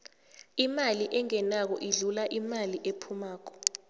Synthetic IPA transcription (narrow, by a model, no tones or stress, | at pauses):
imaliʔɛŋɛnak̬ɔʔiɮulaʔimaliʔepʰumaːk̬ɔ̥